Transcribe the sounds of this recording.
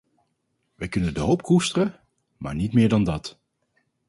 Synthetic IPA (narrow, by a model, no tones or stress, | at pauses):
ʋɛjkɵnəndəɦowpkustərə | ma̰ːɹnitmɪːɹdɑndɑt